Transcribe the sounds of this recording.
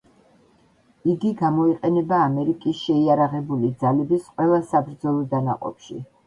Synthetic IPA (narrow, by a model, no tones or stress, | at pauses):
iɡiɡamɔiqʼɛnɛbaːmɛɾikʼisʃɛiaɾaʁɛbulid̪zalɛbisqʼwɛlˠasabɾd̪zɔlˠɔd̪ana̰qʼɔ̰pʃḭ